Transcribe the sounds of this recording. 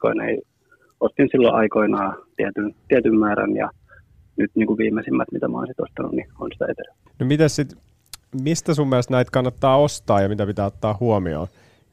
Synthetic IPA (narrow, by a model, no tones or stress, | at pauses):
ko̰inḛi | ost̪insilːo̰ʔɑikoinɑːt̪iæt̪ynt̪iæt̪ymmæːɾæ̰njɑ̰ | nyt̪niːŋkuʋʋiːmesimːæt̪mit̪æmo̰insit̪ost̪ɑnunnionsit̪æet̪er | nomit̪æssit̪ | mist̪æsumːieælest̪næit̪kɑnːɑt̪ːɑːost̪ɑːjɑmit̪æpit̪æːot̪ːɑːhuomio̰ː